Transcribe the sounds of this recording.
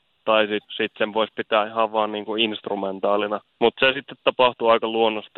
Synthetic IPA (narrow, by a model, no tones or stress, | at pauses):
t̪ɑisit̪sit̪seʋʋoispit̪æːihɑʋʋɑːnniːŋkuinst̪rument̪ɑːlinɑ | mut̪sesit̪ːet̪tɑpɑht̪uɑikɑluonːost̪